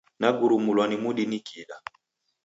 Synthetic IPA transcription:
naɡuɾumulwanimuɗinikiɗa

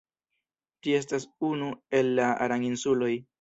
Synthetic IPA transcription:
tie̞s̬tasunue̞lːaa̰ɾaŋinsulo̞j

